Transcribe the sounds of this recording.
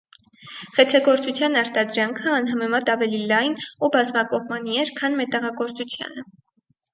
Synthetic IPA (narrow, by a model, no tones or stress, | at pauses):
χɛt͡sʰɛɡɔɾt͡sut͡sʰjɑnɑɾt̪ɑd̪ɾɑŋkʰəɑnɦɑmɛmɑt̪ɑvɛlilɑjnubɑzmɑkɔʁmɑniɛɾkʰɑnmɛt̪ɛʁɑkɔɾt͡sut͡sʰjɑ̰nə